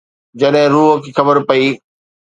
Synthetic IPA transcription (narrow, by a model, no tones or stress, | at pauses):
d͡ʑɐɗɦɪ̃ɾuːɦkʰiːxɐbəɾpɐiː